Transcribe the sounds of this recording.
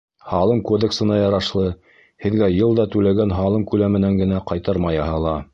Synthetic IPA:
hɑlˠɤmkod̪eksɤ̆nɑjɑɾɑʃlˠɤ | hɘ̆ðɡæjɤlˠd̪ɑt̪ʉlæɡænɦɑlˠɤmkʉlæmɘ̆næŋɡɘ̆næqɑjt̪ɤɾmɑjɑɦɑlˠɑ

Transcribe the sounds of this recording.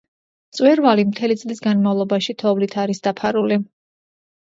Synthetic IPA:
t̪sʼwɛɾvalimt̪ʰɛlit̪sʼlisɡanmavlˠɔbaʃit̪ʰɔvlit̪ʰaɾisd̪̥apʰaɾuli

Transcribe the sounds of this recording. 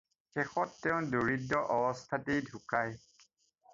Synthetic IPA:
xɛxɔtːɛʊ̃doɹidːɔʔɔbɔstʰatidʱukaj

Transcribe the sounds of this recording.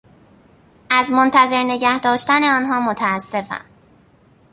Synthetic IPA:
ʔæzmo̞nt̪ʰæze̞ɾne̞ɟæhd̪ɒːʃt̪æneɒːnɦɒːmot̪ʰæːsːe̞fæ̰m

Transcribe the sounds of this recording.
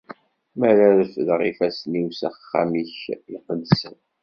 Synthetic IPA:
mæɾæɾəfðʁifæsniwsæχχːa̰miçiqədsən

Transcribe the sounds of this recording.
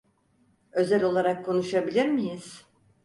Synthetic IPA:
ø̞zælʲo̞lˠaɾakʰːo̞nuʃabilʲiɾmijiz̥

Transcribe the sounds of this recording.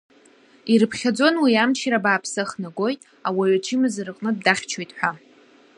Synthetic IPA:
iɾɨpʰχʲad͡zo̞nwiamt͡ʃʰiɾabaːpʰsɨχnaɡʷo̞jtʼ | awaɥʷat͡ʃʰimɨzɨrɨqʼnɨd̚daχʲt͡ʃʰojtʼħʷᶣa

